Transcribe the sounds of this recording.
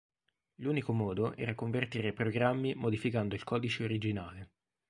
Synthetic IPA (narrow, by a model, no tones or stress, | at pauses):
luːnikomɔːd̪oʔɛ̰ːɾakoɱvert̪iːɾepɾoɡɾamːimod̪ifikand̪oilkʰɔːd̪it͡ʃeoɾid͡ʒinaːle